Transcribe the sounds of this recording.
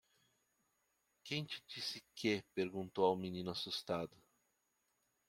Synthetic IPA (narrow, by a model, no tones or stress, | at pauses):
kẽj̃t͡ʃɪ̥d͡ʒisɪkepeɾɡũnt̪owawminĩnʊasust̪ad̪ʊ